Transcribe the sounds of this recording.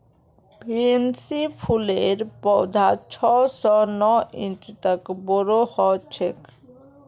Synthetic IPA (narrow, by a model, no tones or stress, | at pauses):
biensipʰuleɾpɔwd̪ʱat͡ʃʰɔsɔnɔĩnt͡ʃt̪əkbɔɾohɔt͡ʃʰek